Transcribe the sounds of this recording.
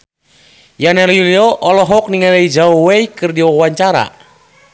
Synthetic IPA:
janɛljuliɔʔɔlɔɦɔk̚niŋalaid͡ʒaɔweikɨrdiɔwaɲt͡ʃaɾa̰

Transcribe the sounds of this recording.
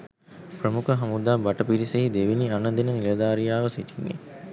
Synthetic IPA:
pɾəmukʰɐɦɐmud̪aːbɐʈɐpiɾiseɦid̪eʋiniɐnɐd̪inənilɐd̪aːɾijaːʋɐsiʈʰiŋɡḛ

